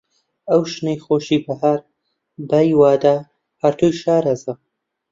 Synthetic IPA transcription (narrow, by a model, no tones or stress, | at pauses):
ɐwʃnejxoːʃiːbɐɦaːɾ | bajwaːd̪a | hɐɾt̪ʰujʃaːɾɐzɐ